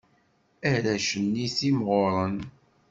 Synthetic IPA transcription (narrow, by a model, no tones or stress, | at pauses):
æɾæʃənːiθimʁʊɾˤən